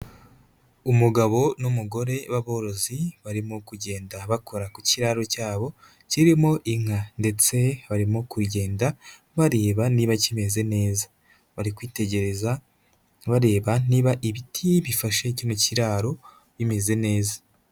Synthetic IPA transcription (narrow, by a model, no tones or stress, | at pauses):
umuɡaβo̞numuɡo̞ɾe̞βaβo̞ɾo̞ziβaɾimokuɟe̞ːndaβakʰo̞ɾakuciɾaɾo̞caːβo̞ | ciɾimo̞ʔiŋ̥ande̞t͡se̞βaɾimokuɾɟe̞ːnda | βaɾe̞ːβaniːβacime̞ze̞ne̞ːza | βaɾikwiːte̞ɟe̞ɾe̞za | βaɾe̞ːβaniːβaʔiβitʰiβifaʃecinociɾaɾo̞ | βime̞ze̞ne̞ːzḁ